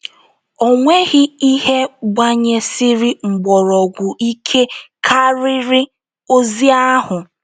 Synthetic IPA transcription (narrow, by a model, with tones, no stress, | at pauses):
o˨ŋʷe˦ɣɪ˦i˦ɦe˦ɡ͡ba˦ɲe˦sɪ˦ɾɪ˦ŋ͡m̩˨ɡ͡bɔ˨ɾɔ˨ɡʷʊ˨i˦kʰe˦kʰa˦ɾɪ˦ɾɪ˦ | o˦zi˦a˦ɦʊ˨